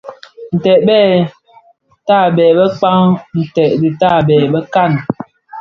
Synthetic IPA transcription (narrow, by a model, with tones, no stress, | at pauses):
n̩˨tɛ˨ʔ̚bɛː˦˨ | taː˦˨bɛː˨bə˦k͡pa˦ŋn̩˨tɛ˨ʔdi˨taː˦˨bɛː˨bə˦ka˦˨n